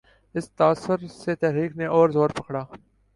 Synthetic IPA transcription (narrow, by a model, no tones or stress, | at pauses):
ɪst̪aːsəɾset̪ɛɦɾiːkneʔɔːɾzoːɾpɐkɽaː